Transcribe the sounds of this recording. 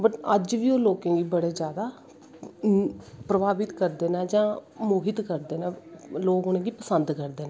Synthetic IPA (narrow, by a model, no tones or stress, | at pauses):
bəʈəd͡ʒʋiːoːloːkẽːɡiːbəɽeːd͡ʒjaːd̪aː | pɾəbaːbɪt̪kəɾd̪eːnɛːd͡ʒãːmoːɦɪt̪kəɾd̪eːnɛ̃ːloːkʊnẽːɡiːpəsənd̪kəɾd̪eːnɛ̃